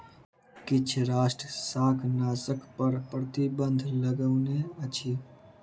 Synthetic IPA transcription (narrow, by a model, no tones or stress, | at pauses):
kɪt͡ʃʰɾaːsʈɾəsaːkʰnaːsəkʰpəɾpɾət̪ibə̃nd̪ʱləɡəʊneət͡ʃʰiː